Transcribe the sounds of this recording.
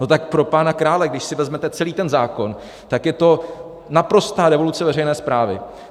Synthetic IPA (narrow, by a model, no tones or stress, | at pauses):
no̞t̪ak̚pɾo̞paːnakɾaːlɛɡdɪʃsɪvɛzmɛt̪ɛt͡sɛliːt̪ɛnzaːko̞n | t̪akjɛt̪o̞ | napɾo̞st̪aːɾɛvo̞lut͡sɛvɛrɛjnɛːspɾaːvɪ̰